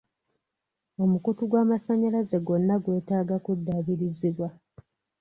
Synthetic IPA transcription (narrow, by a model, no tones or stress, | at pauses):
o̞mukutuɡwaːmasaɲalaze̞ɡo̞nːaɡwe̞ːtaːɡakudːaβiɾiziβwa